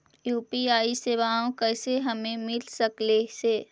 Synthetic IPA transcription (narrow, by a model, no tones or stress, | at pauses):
juːpiaːiseːʋaːõkɛːseɦɐmẽmɪlsəkleseː